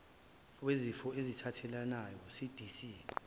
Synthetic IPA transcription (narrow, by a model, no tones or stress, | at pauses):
wezifɔezitʰatʰɛlanajɔsid̥ʱisi